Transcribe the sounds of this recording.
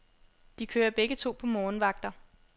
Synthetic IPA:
d̥ikʰøːɐb̥eɡ̥ət͡sʰo̝̰ːpʰɒ̽mɒːnʋɑ̈ɡ̥̚d̥ɐ

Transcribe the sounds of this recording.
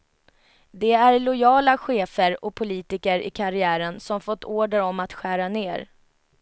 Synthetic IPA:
d̪ɛæɾlʊjɑːlaɧeːfəɾɔpʰʊliːt̪ɪkəɾɪ̰kʰaɾɪæːɾənsɔmfɔt̪ːoːɖəɾɔmːat̪ɧæːɾaneːɾ

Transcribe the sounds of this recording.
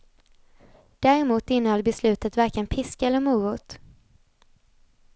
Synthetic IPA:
d̪̥æːɾɛmuːt̪ɪnːəhɔlbɛslʉ̟ːt̪ət̪væɾkənpʰɪskaɛlːəɾmuːʊːt̪

